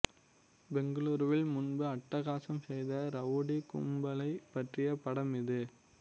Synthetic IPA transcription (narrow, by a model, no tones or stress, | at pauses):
bɛŋɡɯluːɾʋɪlmʊnbɯɐʈːɐɣaːsɐmsɛjðɐɾɐʋʊɽikʊ̰mbɐlɐɪpːɐʈrɪjɐpɐɽɐmɪðɯ